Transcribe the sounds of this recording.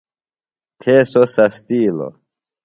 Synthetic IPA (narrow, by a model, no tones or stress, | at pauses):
tʰesosastilo̰